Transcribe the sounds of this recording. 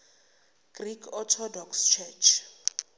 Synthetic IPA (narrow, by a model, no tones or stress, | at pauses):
ɡ̥rikʰɔtʰɔdɔkst͡ʃʰɛt͡ʃʰ